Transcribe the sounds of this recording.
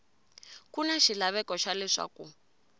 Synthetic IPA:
kunaʃilaβɛkɔʃalɛʂa̰ku

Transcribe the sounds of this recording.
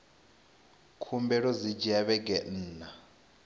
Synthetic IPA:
kʰumbɛɺɔzid͡ʒiaβɛɡɛn̩ːna

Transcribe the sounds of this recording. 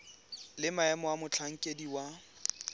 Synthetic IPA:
lɪmaɛmɔwamʊt͡ɬʰaŋ̩kʼediwa

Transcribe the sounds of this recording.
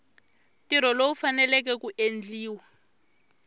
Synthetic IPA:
tiɾ̤ɔloufanɛlɛkɛkuʔend͡ɮiːwa

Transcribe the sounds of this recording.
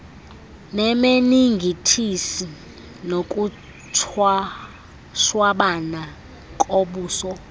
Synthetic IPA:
nɛmeniŋɡʱitʰisi | nokʼu | tʰa | ʃwaɓana | kʼoɓuːsɔ

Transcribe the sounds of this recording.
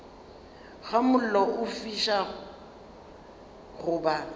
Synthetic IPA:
ɣamʊl̩lɔʊfiʃa | ɣʊːba

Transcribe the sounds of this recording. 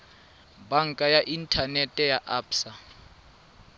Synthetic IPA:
baŋkʼajaʔintʰanɛtʼɛjaʔaːpsa

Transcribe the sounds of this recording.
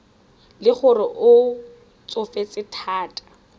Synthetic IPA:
lɪχʊrɪʔʊ | t͡sʼʊfet͡sʼɪtʰaːtʼḁ

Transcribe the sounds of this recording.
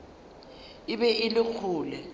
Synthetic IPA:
ɪbɛʔɪlɪk͡xʰuːlɛ

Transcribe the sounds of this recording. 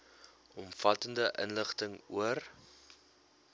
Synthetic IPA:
ʔɔmfɐtəndəʔə̰nləχtəŋuər

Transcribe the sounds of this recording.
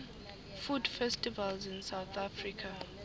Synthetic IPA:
fudfɛstivalzĩnsawθʰafɹikʰa

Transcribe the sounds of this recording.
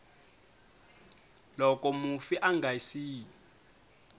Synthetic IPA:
lɔk̬ʼɔmufiʔaŋɡʱajsiː

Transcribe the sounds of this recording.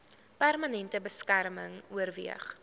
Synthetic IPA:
pærmɐnɛntəbəskærməŋuərviəχ

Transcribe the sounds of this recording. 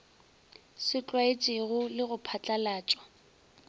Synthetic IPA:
sɪt͡ɬʼwaet͡ʃʼɪɣʊlɪɣʊpʰat͡ɬʼalaːt͡ʃʼɔ̥

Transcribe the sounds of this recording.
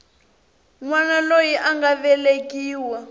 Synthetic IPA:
ŋwanalojiʔaŋɡavɛlekʼiːwa

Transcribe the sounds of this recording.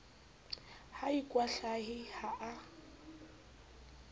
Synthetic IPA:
haikʼwaɬaɦɪhaʔa

